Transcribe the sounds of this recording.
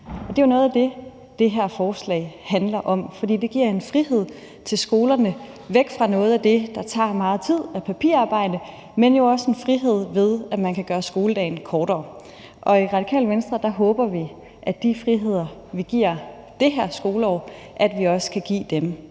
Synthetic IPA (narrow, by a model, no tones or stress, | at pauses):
ɒd̥e̝jo̝nɔ̽ːð̞̩ˠæd̥e̝ | d̥e̝ɦæɐ̰fɒːslɛ̰ɪhænlɐʔɒ̽m̰fɒ̽dḭːd̥e̝ɡ̥iɐ̰e̝nfʁihe̝ð̞̰ˠ | t͡sʰe̝lsɡ̥o̝ːlɐnə | ʋeɡ̥fʁɑ̈nɔ̽ːð̞̩ˠæd̥e̝d̥ɑ̈t͡sʰɑ̰̈ːmɑ̈ːð̞̩ˠt͡sʰið̞̰ˠæpʰæpʰḭɐɑ̈ːb̥ɑ̈ɪ̰d̥ə | menjo̝ɒ̽səe̝nfʁiɦe̝ð̞̰ˠʋe̝ðˠæmænkʰæɡ̥ɶːɐsɡ̥o̝ːləd̥ɛ̰ɪn̩kʰɒːɾɒ̰ː | ʔɒ̽iʁɑ̈d̥ikʰɛ̰ːlʋensd̥ʁɐd̥ɑ̈ɦɔ̽ːb̥ɐʋi | ʔæ̥d̥ifʁiɦe̝ð̞̰ˠɐʋiɡ̥iɐ̰ | d̥e̝ɦæɐ̰sɡ̥o̝ːləɒ̰ː | ʔæd̥ʋiɒ̽sə̥kʰæɡ̥ḭːd̥em